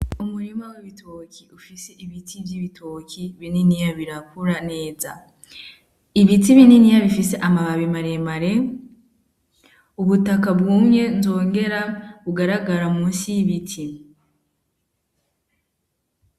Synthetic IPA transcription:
umuɾimaweβitʰokʰiufiseʔiβitʰivjiβitʰokiβininijaβiɾakuɾane̞ːza | iβitiβininijaβifise̞ʔamaβaβimaɾemaɾe̞ | uβutakabɡuːmɲe̞nzo̞ːŋɡe̞ɾaβuɡaɾaɡaɾamusiβitʰi

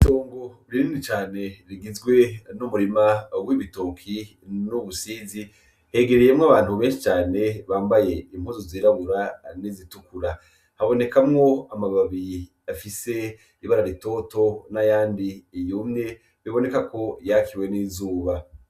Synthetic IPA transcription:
ito̞ːŋɡoɾiɾinit͡ʃaːne̞ɾiɡizɡwe̞numuɾimawiβitokʰi | nuβusiːzi | he̞ɡe̞ɾejemŋaβaːn̥huβe̞ːnʃi̥t͡ʃaːne̞βaːmbaje̞im̥huzoziːɾaβuɾanizitukuɾa | haβo̞ne̞kamŋo̞amaβaβi | afise̞ | iβaɾaɾito̞to̞najaːndiːjumɲe̞ | βiβo̞ne̞kako̞jakʰiwe̞niːzuːβa

